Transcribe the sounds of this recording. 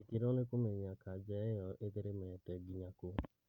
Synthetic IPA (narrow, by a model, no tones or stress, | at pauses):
ekeɾɔnekomeɲakad͡ʒɛjɔʔeðeɾemɛɛtɛɡiɲako